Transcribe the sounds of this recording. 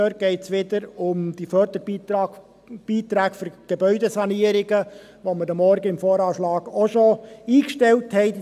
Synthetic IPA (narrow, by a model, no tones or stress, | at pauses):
øːɾt̚ɡ̥ɛɪtsʋɪd̪əɾʊmd̥̪ifœɾd̪əɾbi | b̥iːt̪ɾaːkføɾɡ̥ebœʏdesɑniəɾɪɡə | ʋomədəmːɔɾɡəɪmfoːɾɑːʃlɑːɡoʃoiːkʃtɛlthɛɪt